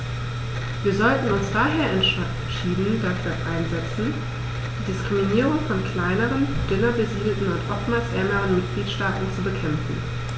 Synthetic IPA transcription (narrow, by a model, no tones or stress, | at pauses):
viːɐzɔltn̩ʊnsd̥aːɦeːɐʔɛn | ʃiːdn̩dafyːɐʔaɪnzɛt͡sn̩ | d̥iːdɪskʁ̥iminiːʁʊŋfɔnkʰl̥aɪnəʁənd̥ʏnɐbəziːdl̩tn̩ʊntʔɔftmaːlsʔɛɐməʁənmɪt̚ɡ̥liːtʃtaːtn̩t͡subəkʰɛmfn̩